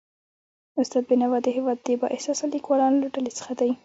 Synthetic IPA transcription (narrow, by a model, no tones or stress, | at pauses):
ʊst̪ɑd̪̚bɪnawad̪əɦɪwɑd̪ːəbɑ̰ʔɪhsɑsalikwɑlɑnolaɖalet͡sə̥xad̪aj